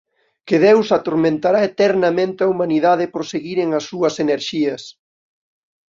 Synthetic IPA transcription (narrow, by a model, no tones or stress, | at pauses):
kɪðewsat̪oɾmẽnt̪aɾaet̪ɛɾnɐmẽnt̪ɪɐumaniðaðɪpɾoseɣiɾeŋɐsːuɐseneɾʃiɐs